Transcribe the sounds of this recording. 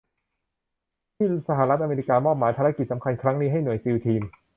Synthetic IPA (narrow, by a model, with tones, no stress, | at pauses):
t̪ʰiː˥˩sa˧ha˧˩ɾa˦˥t̪̚ʔa˧meː˧ɾi˦˧˥kaː˧mɔː˥˩p̚maː˩˦jpʰaː˧ɾa˦˧˥ki˨˩sa˩˦mkʰa˧nkʰɾa˦˥ŋniː˦˥ɦa˥˩jnu˨˩əjsiː˧wt̪ʰiː˧m